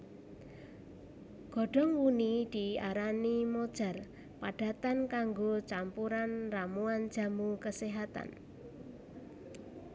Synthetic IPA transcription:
ɡ̥ɔ̤ɖ̥ɔ̤ŋwunid̪̥iaɾanimod̥ʒ̥a̤r | paɖ̥a̤t̪ankaŋɡot͡ʃampuɾanramuan̥d͡ʒ̥a̤mukəseɦat̪a̰n

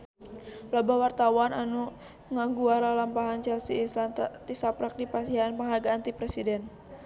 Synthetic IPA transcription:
lobawart̪awananu | ŋaŋɡuaɾalampaɦant͡ʃɛlsiesant̪isapɾak̚dipasiɦanpaŋɦarɡaːnt̪ipɾɛsidɛn

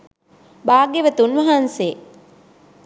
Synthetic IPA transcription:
baːɡeʋət̪unʋɐɦanseː

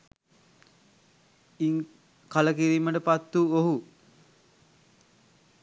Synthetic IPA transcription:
iŋ | kaləkiɾiːməʈəpat̪ːuoɦu

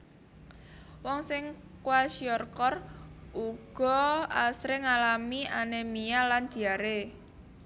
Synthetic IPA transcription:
wɔŋsɪŋ | kuwasiɔrkɔruɡ̥ɔ̤asɾeŋalamiʔanemijaland̪̥i̤aɾe

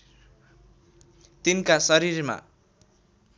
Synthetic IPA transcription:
t̪inkasʌɾiɾma̰

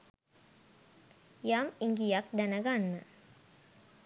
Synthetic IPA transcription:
jamiŋɡijakd̪ænəɡanːə

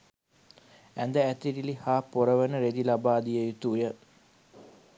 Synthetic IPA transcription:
ænd̪əæt̪iɾilihaːpoɾəʋənəɾed̪ilabaːd̪ijejut̪ujə

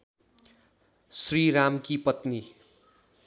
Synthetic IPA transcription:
sriɾamkipʌt̪ni

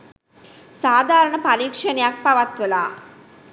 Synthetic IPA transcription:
saːd̪ʱaːɾɐɳɐpɐɾiːkʂɐnjaːk̚pɐʋɐt̪ʋula

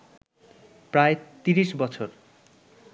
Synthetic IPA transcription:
pɾaet̪iɾiʃbɔt͡ɕʰoɾ

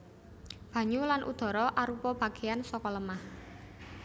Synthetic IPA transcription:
b̥ä̤ɲulanʔṵd̪̥ɔ̤ɾɔʔaɾupɔb̥a̤ɡ̥e̤ansɔkɔləmah

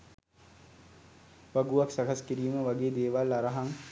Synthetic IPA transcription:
ʋaɡuʋaksakaskiɾiːməʋaɡeːd̪eːʋalːaɾaɦaŋ

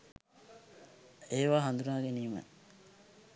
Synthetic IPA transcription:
eːʋaːɦand̪unaːɡeniːmə̰

